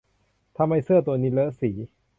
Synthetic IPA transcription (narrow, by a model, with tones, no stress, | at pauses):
t̪ʰa˧mha˧jsɯ˥˩ɐt̪u˧ɐniː˦˥lɤː˦˥siː˩˦